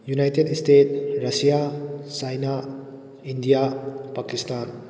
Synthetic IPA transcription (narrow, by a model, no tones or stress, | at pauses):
junajtedstet̚ɾɐsijasajna | indijapakistan